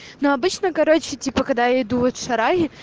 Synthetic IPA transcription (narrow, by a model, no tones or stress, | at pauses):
noɐbɨt͡ɕnəkɐɾot͡ɕɪtʲipəkɐɡ̚d̪ajaɪd̪uvot̪ʂɐɾaɣʲɪ